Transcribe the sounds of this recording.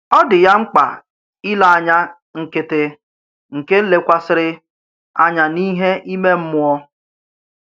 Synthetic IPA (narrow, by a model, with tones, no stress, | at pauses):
ɔ˦dɪ˨ja˦ŋ͡m̩˦k͡pa̰˨ | ɪ˦la˨a˨ɲa˦ | ŋ̩˨kɪ˨tɪ˨ | ŋ̩˨ke˦n̩˦le˨kʷa˦sɪ˨ɾɪ˦ | a˦ɲa˨ni˦ɦe˦ʔi˦me˦m̩˦mʊ˦ɔ˦